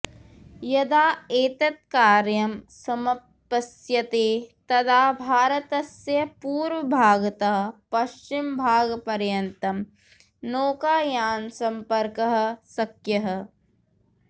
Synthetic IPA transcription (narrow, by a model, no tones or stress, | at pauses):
jɐd̪aːeːt̪ɐt̪̚kaːɾjɐmsɐmɐpː | ɐsjɐt̪eːt̪ɐd̪aːbʱaːɾɐt̪ɐsjɐpuːɾʋɐbʱaːɡt̪ɐɦ̆pɐʃt͡ʃimbʱaːɡpɐɾjɐnt̪ɐm | noːkaːjaːnsɐmpɐɾkɐɦə̆sɐkjɐɦɐ̆